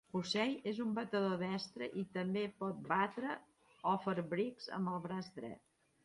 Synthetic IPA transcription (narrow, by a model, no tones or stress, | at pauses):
usɛjezumbət̪əðoðɛst̪ɾəʔit̪əmbepɔt̪̚bat̪ɾə | ɔfəɾβɾikz̥ə̰məlˠβɾazd̪ɾɛ̰t̪̚